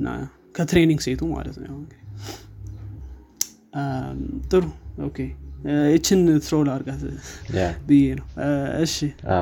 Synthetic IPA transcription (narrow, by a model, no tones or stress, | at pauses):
ɨnːa̰ | kʰət̪ʰɾeniŋɡset̪ʰuma̰lə̰t̪n̰jaɨŋɡd̪i | t̪ʼɨɾuo̰kʰejɛt͡ʃːɪnt̪ʰɨɾolaɾɡat̪ | bɨjenəwɨʃɪ